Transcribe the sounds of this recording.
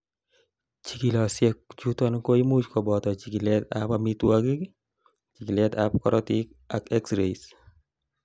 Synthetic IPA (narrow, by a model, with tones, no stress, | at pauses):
t͡ʃi˨ki˨lɔ˨sjɛ˦kt͡ʃu˦tɔ˦nko˦i˦mu˦t͡ʃkɔ˨bɔ˨tɔ˨t͡ʃi˨ki˨lɛt̪a̰pami˦twaɡi˦k | t͡ʃi˨ki˨lɛ˦tap̚kɔ̰ɾɔti˦k | a˨kɛ˦ksɾe˨is